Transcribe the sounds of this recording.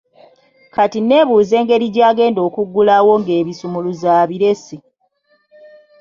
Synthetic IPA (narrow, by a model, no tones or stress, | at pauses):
katine̞ːβuːze̞ːŋɡe̞ɾiɟaːɡe̞ːndo̞ːkuɡːulawo̞ŋɡe̞ːβisumuluzaːβiɾe̞si